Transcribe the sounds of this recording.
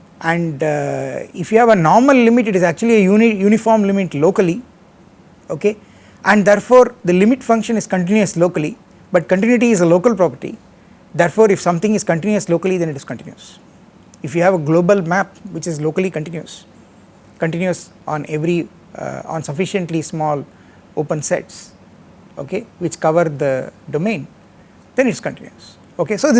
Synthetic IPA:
ʔæ̃ɳɖ | ɪfjuːhæʋənɔːɾməlːɪmɪʈ̬ɪʈɪzæk̚t͡ʃuəliejuːnijuːnifɔːɾmlɪmɪʈloːkəli | oːke | ʔæ̃ɳɖd̪ɛɾfoːɾd̪ɐlɪmɪʈfʌ̃ŋkʃə̃nɪzkɐ̃ɳʈɪ̃njuəsloːkəli | bɐʈ̚kɐ̃ɳʈɪ̃njiʈ̬iːzəloːkəlpɾɔpəɾʈḭ | d̪ɛɾfoːɾɪfsʌ̃mt̪ɪ̃ŋɪz̥kɐ̃ɳʈɪ̃njuəsloːkəlid̪ɛ̃nɪʈɪz̥kɐ̃ɳʈɪ̃njṵs | ɪfjuːhæʋəɡloːbəlmæp̚ʋɪt͡ʃɪzloːkəlikə̃ɳʈɪ̃njus | kə̃ɳʈɪ̃njus | ʔɔ̰̃ːneʋɾi | ɔ̰̃nsɐfɪʃə̃ɳʈlismɔːl | oːpə̃nsḛʈs | o̰ːkeʋɪt͡ʃkʌʋəɾd̪əɖomẽːn | d̪ɛ̃nɪʈɪskə̃ɳʈɪ̃njuəs | oːkesoːd̪

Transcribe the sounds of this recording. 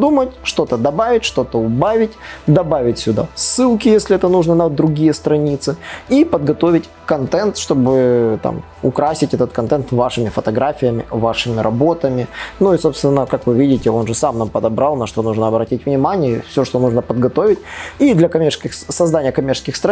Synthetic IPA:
d̪umətʲʂt̪o̞t̪əd̪ɐbavʲɪtʲʂt̪o̞t̪əʊbavʲɪtʲd̪ɐbavʲɪtʲsʲʊd̪a̰sːɨlˠkʲɪjesʲlʲɪɛt̪ənuʐnənəd̪ɾʊɡʲijəst̪ɾɐnʲit̪sɨipəd̪ɡɐt̪o̞vʲɪtʲ | kɐnt̪ɛnt̪ʂt̪o̞bɨt̪a̰m | ʊkɾasʲɪtʲɛt̪ət̪̚kɐnt̪ɛnt̪vaʂɨmʲɪfət̪ɐɡɾafʲɪjəmʲɪ̰vaʂɨmʲɪɾʔɐbo̞t̪əmʲɪnuiso̞pst̪vʲɪnːəkakvɨvʲidʲɪtʲɪo̞nʐɨsamnampəd̪ɐbɾɑlˠnɐʂt̪o̞nuʐnəɐbɾɐtʲitʲvnʲɪmanʲɪjəifsʲoʂt̪o̞nuʐnəpəd̪ɡɐt̪o̞vʲɪtʲid̪lʲɐkɐmʲerskʲɪxsɐzd̪anʲɪjəkɐmʲert͡ɕʲɪskʲɪxst̪ɾ

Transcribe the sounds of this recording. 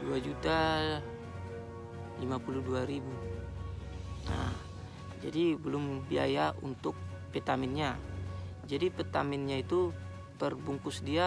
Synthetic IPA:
duad͡ʒut̪a | limapuluduaɾibu | na̰h | d͡ʒa̰dibəlʊmbia̰jaṵnt̪ʊk̚ | pɛt̪amɪnɲa | d͡ʒadipɛt̪amɪnɲait̪u | t̪ərbuŋkʊsdia

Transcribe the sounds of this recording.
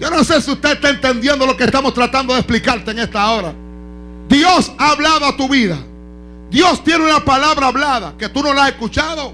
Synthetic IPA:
d͡ʒo̞no̞se̞siust̪eest̪aent̪e̞nd̪je̞nd̪o̞lo̞kest̪amo̞st̪ɾat̪and̪o̞ðesplikaɾt̪e̞eŋe̞st̪aoɾa | d̪jo̞saːβlaðoat̪uβiða | d̪jo̞st̪je̞neunapalaβɾaːβlaðake̞t̪uno̞lase̞skut͡ʃaðo̞

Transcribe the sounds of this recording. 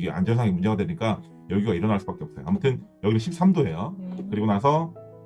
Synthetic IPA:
ɡeʔa̰nd͡ʑʌnsʰaŋemund͡ʑe̞ɣadwe̞ɲik͈a | jʌɡiɡaiɾʌnaɭs͈ubak͈eʌp̚s͈ʌjo̰amutʰɯnjʌɡiseɕʰip̚s͈ʰamdoɦe̞jokɯɾiɡonas̬ʰʌ

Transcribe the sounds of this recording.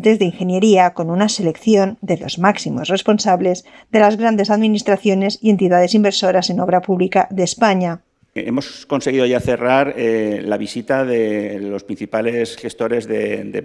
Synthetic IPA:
t̪e̞zðeiŋxe̞nje̞ɾiako̞nunase̞le̞kθjo̞nd̪e̞lo̞̰zmaksimo̞sre̞spo̞nsaβle̞z | ðe̞lazɣɾand̪e̞saðminist̪ɾaθjone̞sie̞nt̪iðaðe̞simbe̞ɾso̞ɾase̞no̞βɾapuβlikaðe̞spaɲa | emo̞sko̞nseɣ̞iðoʝaθe̞raɾelaβisit̪aðelo̞spɾin̟θipalesxest̪o̞ɾe̞zðḛd̪e

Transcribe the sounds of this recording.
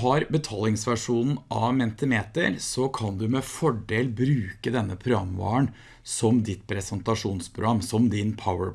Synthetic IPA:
ɦɑɾbət̪ʰɑːlɪŋsʋæʂuːnn̩ʔɑmɛnt̪əmeːt̪ə̰ɾsɔkʰɑnd̪ʉmɛfɔɖeːlbɾʉːkəd̪ɛnːəpʰɾʊɑ̰mʋɑ̰ːəɳ | sɔmd̪ɪt̪pʰɾɛsɛnt̪ɑʂuːnspʰɾʊ̰ɡɑmːsɔmd̪ɪnpʰaʊə

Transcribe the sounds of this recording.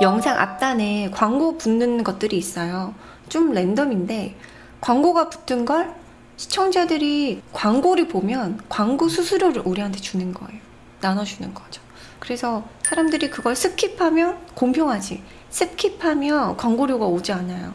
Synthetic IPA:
jʌŋsʰaŋʔa̰p̚t͈anekwaŋɡopunːɯnɡʌt̚t͈ɯɾiːs͈ʌjo | t͡ɕ͈omɭe̞ndʌminde̞ | kwaŋɡoɡapu̥t͈ʰɯnɡʌɭ | ɕʰi̥t͡ɕʰʌŋd͡ʑadɯɾikwaŋɡoɾiɭpomjʌnkwaŋɡosʰusʰuɾjoɾɯɾʔuɾiɦantʰe̞t͡ɕunɯnɡʌ̰e̞jo | nanʌd͡ʑunɯnɡʌd͡ʑo̥ | kɯɾe̞sʰʌsʰaɾamdɯɾikɯɡʌɭs͈ʰɯp̚kʰipʰamjʌnkompʰjoŋɦad͡ʑi | s͈ʰɯp̚kʰipʰamjʌkwaŋɡoɾjoɡaod͡ʑianajo̰

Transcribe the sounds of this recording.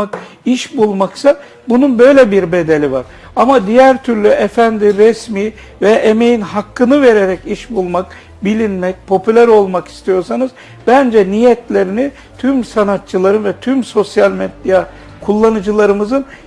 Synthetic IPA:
akiʃbulˠmaksa | bununbø̞jlʲɛbiɾbe̞d̪elʲivaɾ̥ | amad̪ijæɾt̪ʰyɾlʲyʔefænd̪iɾɛsmiː | vɛʔeme̞jinɦakːɯnɯve̞ɾeɾɛciʃbulˠmak | bilʲinmɛc̚pʰo̞pʰylʲæɾo̞lˠmaki̥st̪ʰijo̞ɾsanɯz | bænd͡ʒɛnijɛt̪ʰlʲe̞ɾini | t̪ʰymsanat̪̚t͡ʃʰɯlˠaɾɯnvɛt̪ʰymso̞sjalʲmɛd̪ja | kʰulˠːanɯd͡ʒɯlˠaɾɯmɯzɯn

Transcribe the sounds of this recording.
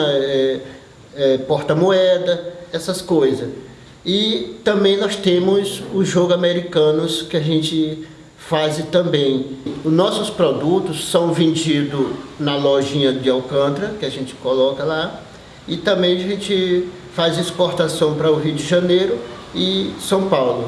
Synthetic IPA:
ɐɛ | ɛpɔɾt̪ɐmoɛd̪ɐɛsɐskojzɐs | ɪt̪ɐ̃mbẽj̃nɔst̪ẽmʊzʊzʒoɡʊameɾikɐ̃nʊskɪaʒẽnt͡ʃɪ | fazɪt̪ɐ̃bẽj̃ʊnɔsʊspɾod̪ut̪ʊsːɐ̃w̃vẽnd͡ʒid̪ʊnɐlɔʒĩɲɐd͡ʒɪawkɐ̃t̪ɾɐkɪaʒẽt͡ʃɪ̥kolɔkɐla | ɪt̪ɐ̃mbẽj̃aʒẽt͡ʃɪ | fazispoɾt̪asɐ̃w̃pɾɐʊɦiʊd͡ʒɪʒɐ̃nejɾʊɪsɐ̃w̃pawlʊ

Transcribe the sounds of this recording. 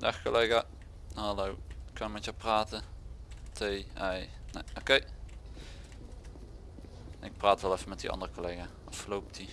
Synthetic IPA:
daxkoleːɣa | halowɪkʰːɑnmɛtjapraːtə | tʰejɛjnḛʔokej | ɪk̚praːtʋɛlˠɛfəmɛt̚diʔɑ̰ndərəkoleɣa | ɔsəlowp̚tʰi

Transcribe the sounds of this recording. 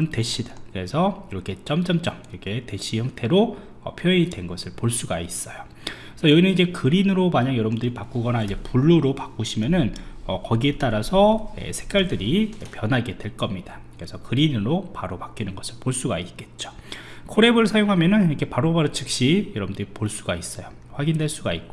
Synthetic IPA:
ɯntwe̞ɕ͈ʰidakɯɾe̞sʰʌiɾʌkʰe̞t͡ɕ͈ʌmt͡ɕ͈ʌmt͡ɕ͈ʌmiɾʌkʰe̞te̞ɕ͈ʰihjʌŋtʰe̞ɾo | ʌpʰjʌidwe̞nɡʌsʰɯɭpoɭs͈uɡais͈ʌjo | sʰʌjʌɡinɯnid͡ʑe̞kɯɾinɯɾomaɲaŋjʌɾʌbundɯɾipak͈oɡʌnaid͡ʑe̞puɭːuɾopak͈oɕʰimjʌnɯnʌkʌɡie̞t͈aɾasʰʌḛsʰek͈aɭdɯɾipjʌnɦaɡe̞dwe̞ɭk͈ʌmɲida | kɯɾe̞sʰʌkɯɾinɯɾopaɾopak͈inɯnɡʌsʰɯɭpoɭs͈uɡait̚k͈e̞t̚t͡ɕ͈o̥kʰoɾe̞bɯɭsʰajoŋɦamjʌnɯnikʰe̞paɾobaɾt͡ɕʰɯk̚ɕ͈ijʌɾʌbɯndɯɾipoɭs͈uɡais͈ʌjo | ɸwaɡindwe̞ɭs͈uɡaik̚k͈o

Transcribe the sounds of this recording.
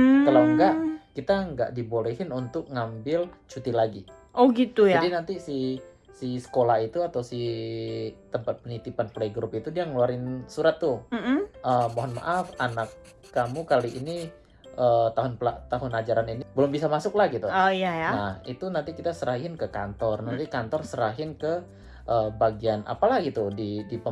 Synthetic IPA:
kalawŋɡaʔkit̪aŋɡa̰ʔdibolɛɦɪnunt̪ʊk̚ŋambɪlt͡ʃut̪ilaɡi | oɡit̪ujadinant̪isi | sisə̥kolahit̪uat̪awsi | t̪əmpat̪̚pənit̪ipanpleɡɾʊpit̪udiaŋəluaɾɪnsuɾat̪ːʊ | əmoɦɔnma̰ʔafanakː | amukaliʔini | ət̪aɦʊnplat̪aɦʊnad͡ʒaɾaninibəlʊmbisamasʊk̚lahɡit̪uojajanahit̪unant̪ikit̪asəɾahɪnkəkant̪ɔrnant̪ikant̪ɔrsəɾaɦɪnkə | ʔəbaɡianʔa̰palahɡit̪udidipə

